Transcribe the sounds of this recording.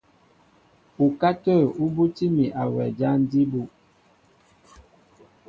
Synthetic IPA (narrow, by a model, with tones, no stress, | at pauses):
u˨ka˦tə˦˨u˦bu˦ti˦mi˨ʔa˨wɛ˨d͡ʒa˦n˦di˦bu˦˨